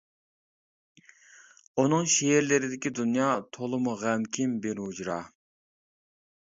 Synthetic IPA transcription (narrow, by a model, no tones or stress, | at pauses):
unɨŋʃeeɾlɪɾɪd̪ɪkʲid̪unjɑt̪ʰolˠɨmuʁæmkʲʰimbeɾɦud͡ʒɾɑ̰